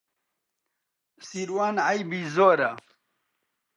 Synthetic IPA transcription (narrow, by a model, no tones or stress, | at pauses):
siɾwaːnajbizoɾa